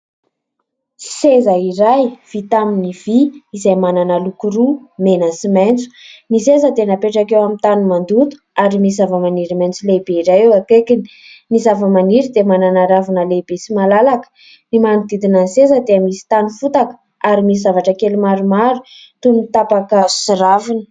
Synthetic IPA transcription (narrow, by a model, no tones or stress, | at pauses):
sezaiɾajv̥it̪aminiv̥iizajmananəlukuɾumenəsiment͡su̥nisezəd̪enapeʈ͡ʂakewamint̪anumand̪ut̪u̥aɾimisizavəmaniɾiment͡sulebeiɾajewakekini̥ | nizavəmaniɾid̪emananaɾavunəlebesimalalakə̥ | nimanud̪id̪inansezəd̪eamisi̥t̪anufut̪akə̥ | aɾimisizavaʈ͡ʂəkelimaɾumaɾu | t̪uit̪apakəsiɾavinə̥